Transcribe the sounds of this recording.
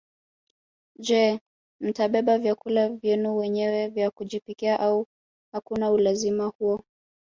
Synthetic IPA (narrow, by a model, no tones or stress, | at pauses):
d͡ʒɛ | m̩taɓɛɓavjakulavjɛnuwɛɲɛwɛvjakuʄipikiaʔau | hakunaulazimahuɔ